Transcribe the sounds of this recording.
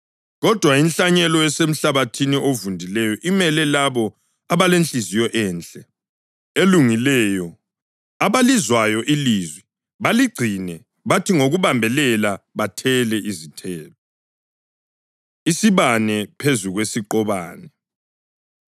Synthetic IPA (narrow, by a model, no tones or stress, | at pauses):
ɣɔd̥ʱwainɬaɲɛlɔɛsem̩ɬaβatʰiniʔovundʱilɛjɔʔimɛlɛlaβɔ | aβalent͡ɬizijɔʔɛːnt͡ɬʼɛ | eluŋilɛːjɔ | aβalizwajɔʔilizwɛ | βaliɡ͡ǀʱinɛ | βatʰiŋoɣuβambʱɛlɛlaβatʰɛlɛʔizitʰɛːlɔ | isiβanɛpʰezuɣwesiǃɔβa̰ːnɛ